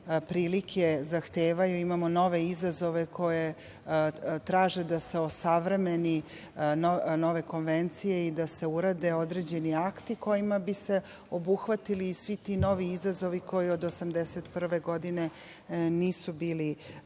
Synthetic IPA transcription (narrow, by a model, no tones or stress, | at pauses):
pɾiːlikʰe̞zaxt̪eːʋajuimamono̞ʋe̞izazo̞ʋekʰo̞je̞ | t̪ɾaːʒe̞d̪ase̞osaʋɾe̞meni | nono̞ʋe̞ko̞nʋent̪sije̞id̪ase̞uɾad̪e̞od̪ɾe̞d͡ʑe̞niakt̪iko̞jimabise̞ | o̞buxʋat̪iliːsʋit̪ino̞ʋiizazo̞ʋikʰo̞jiod̪osamd̪eset̪pr̩ʋe̞ɡo̞d̪ine̞ | niːsubiːli